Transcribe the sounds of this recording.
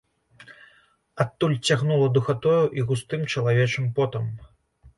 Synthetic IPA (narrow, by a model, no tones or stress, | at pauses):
at̪ːulʲt͡sʲaɣnulˠɐd̪uxat̪ɔjuʔiɣust̪ɨmt͡ʂɐlˠavʲɛt͡ʂɨmpɔt̪ɐm